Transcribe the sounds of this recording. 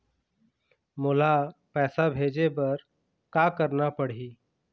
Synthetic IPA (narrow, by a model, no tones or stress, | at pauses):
mʊlapɛːsabʱeːd͡ʒepɐɾ | kaːkəɾnapɐɽ̤iː